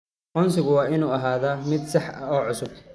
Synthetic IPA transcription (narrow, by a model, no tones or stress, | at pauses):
ʔɔnsɪɣʊwɑːʔɪnuːɐɦaːðamɪd̪sɑħʔɐɔːʕʊsʊb̚t̪ʰɐ̥